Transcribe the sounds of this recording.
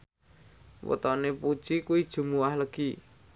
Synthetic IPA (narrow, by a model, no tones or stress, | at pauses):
wɔ̰t̪ɔnepud̥ʒ̥ikuwid̥ʒ̥ṳmuwahləɡ̥i